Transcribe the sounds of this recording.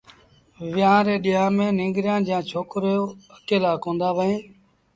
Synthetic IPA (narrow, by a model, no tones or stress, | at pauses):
ʋɪjãːɾeːɗɪɦãːmẽːnɪ̃ːŋɡɾɪjãːd͡ʒãːt͡ʃʰoːkɾjoːəkeːlaːkõːnd̪aːʋəẽː